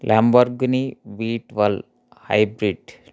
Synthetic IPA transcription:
lʔambəɾɡniʋiːʈʋal | ha̰jbɾiɖ

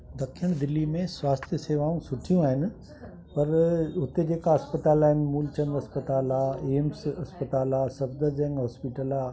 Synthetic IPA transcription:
d̪ɐkʰiəɽ̃d̪ɪlːimẽswaːst̪ʰjəseːʋaːũsʊʈʰijũaːɦɪnɪ̆ | pɐɾʊt̪ed͡ʑeːkaɐspət̪aːlaːɦɪnɪ̆muːlt͡ɕɐ̃ŋɡɐspət̪aːlaːeːmsɐspət̪aːlaːsɐbd̪əɾd͡ʑɛ̃ŋɡɦɔːspiʈəla

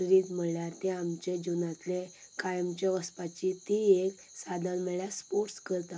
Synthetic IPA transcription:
ɾit̪m̤əɭljaɾt̪ẽamt͡ɕed͡ʑunat̪le | kajəmt͡ɕeʋəspat͡ɕit̪iek | sad̪əlmeɭjaspoɾʈskəɾt̪a

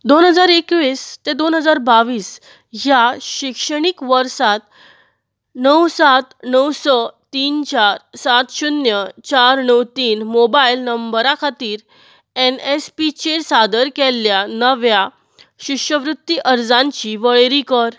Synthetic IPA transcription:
d̪onɦəd͡zaɾekʋist̪ẽd̪onɦəd͡zaɾbaʋiːs | ɦjaɕikʂəɳ̃ikʋəɾsat̪ | nəwsat̪nəwsɔt̪iːnt͡ɕaɾsat̪ɕunjət͡ɕaɾnəwt̪iːnmobailnəmbəɾakʰat̪iːɾ | enespit͡ɕeɾsad̪əɾkelːjanəʋja | ɕikʂəʋɾut̪ːiʔəɾd͡zãɲt͡ɕiʋəɭeɾikəɾ

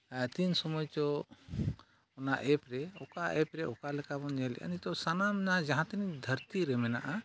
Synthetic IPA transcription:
t̪insɔmɔjt͡ʃɔ | ɔnaʔɛpɾɛɔkaʔɛpɾɛʔɔkalɛkabɔnd͡ʒɛlɛ̰ʔa̰nit̪ɔsanamɛnad͡ʒaɦãt̪ɛnid̪ʱəɾt̪iɾɛmɛnaʔa

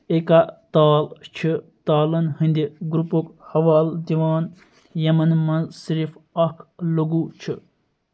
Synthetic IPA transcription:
ekat̪aːlt͡ʃʰit̪aːlɐnhind̪iɡɾupokhɐʋaːld̪iʋaːn | jɐmɐnmɐnzsiɾifɐkʰləɡut͡ʃʰi

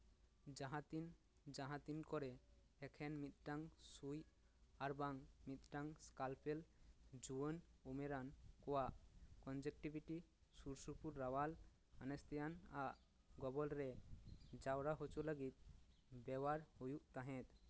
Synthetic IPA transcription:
d͡ʒaɦat̪in | d͡ʒaɦãt̪inkɔɾɛ | ɛkʰɛnmit̪̚ʈaŋsuj | aɾbaŋmit̪̚ʈaŋskalpʰeld͡ʒuənumeɾankoaʔkɔnd͡ʒek̚ʈibiʈisuɾsupuɾːawal | anest̪ijanaʔ | ɡɔbɔlɾɛd͡ʒawɾaɦot͡ʃoləɡit̪̚bɛwaɾhojuʔt̪aɦɛ̃t̪

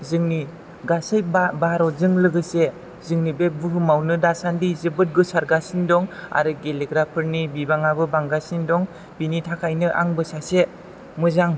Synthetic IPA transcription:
zɯŋni | ɡasɯjbabaɾɔzɯŋlɯɡɯse | zɯŋnibebɯɦɯmawnɯdasandizɯbɯt̚ɡɯsaɾɡasindɔŋa̰ɾɯɡeleɡɾapʰɯɾnibibaŋabɯbaŋɡasindɔŋ | b̥initʰakʰajnɯʔa̰ŋbɯsase | mɯzaŋ

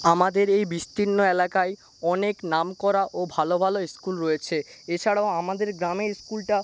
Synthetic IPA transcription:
amad̪eɾejbist̪inːoelakae | ɔneknamkɔɾaʔobʱalobʱaloskulɾojet͡ɕʰeet͡ɕʰaɽaoamad̪eɾɡɾameskulʈa

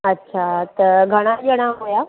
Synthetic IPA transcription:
ətːɕʰat̪əɾɡʱəɽ̃ad͡ʒəɽ̃aɦoja

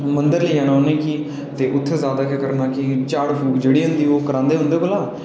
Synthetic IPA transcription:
mənd̪əɾliːãːnaːnẽːkiː | t̪eːʔʊt̪ʰːezjaːd̪aːkekəɾnaːkɪt͡ʃaːɽpʰuːkd͡ʒeːɽiːɦʊ̃nd̪iːoːkəɾãːnd̪eːɦʊ̃nd̪eːkolaː

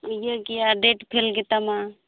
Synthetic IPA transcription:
jaɡiaɖeʈpʰelɡɛt̪ama

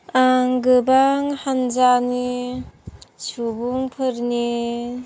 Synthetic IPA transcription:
aŋɡɯbaŋhand͡ʒani | subuŋpʰɯɾni

